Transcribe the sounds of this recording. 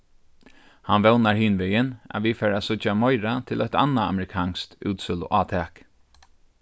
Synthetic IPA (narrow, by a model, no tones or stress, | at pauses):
hanʋɛwnaɹhiːnʋɛːjɪna̰ʋifɛːɾasʊt͡ʃamɔjɾat̪ʰɪlœt̪a̰nːaa̰mɛɾɪkʰɑːnst̪ʉːt̪sʏlʊ̰ʔaːt̪ʰɛːk